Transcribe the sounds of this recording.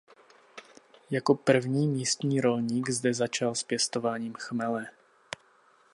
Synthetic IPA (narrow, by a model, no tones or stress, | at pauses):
jako̞pr̩vɲiːmiːst̪ɲiːɾo̞lɲiːɡzdɛzat͡ʃalspjɛst̪o̞vaːɲiːmxmɛlɛ